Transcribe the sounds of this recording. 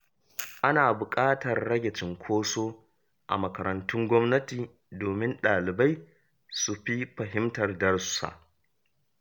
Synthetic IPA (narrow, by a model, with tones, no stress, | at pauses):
ʔa˦naː˨bʊ˨kʼaː˦tɐ˨rːɐ˦ɡʲɛ˨t͡ʃɪ˨ŋkʷʰoː˦soː˦ | ʔa̰˨mɐ˨kɐ˨ɾɐ˨ntʊ˦ŋɡʷɔ˦mnɐ˦tiː˨ | doː˨mɪ˦nɗaː˨lɪ˨ba˦j | su˨ɸi˦ɸɐ˨ɦɪ˦mtɐ˨rdɐ˦rssa̰˦˨ʔ